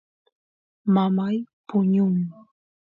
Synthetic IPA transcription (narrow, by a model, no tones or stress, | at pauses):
mamajpʊɲʊŋ